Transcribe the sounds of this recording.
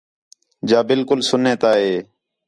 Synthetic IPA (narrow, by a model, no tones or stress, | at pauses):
d͡ʒaːbɪlkʊlsʊneːt̪aːɦeː